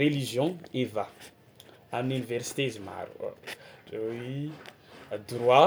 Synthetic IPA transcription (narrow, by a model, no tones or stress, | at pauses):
relizjɔ̃eva | aminyniversi̥t̪ezima̰ɾṵ | ewi | d̪rwa